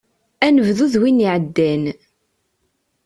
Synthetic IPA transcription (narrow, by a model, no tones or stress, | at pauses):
ænəvðuðwiniʕəd̪ːæn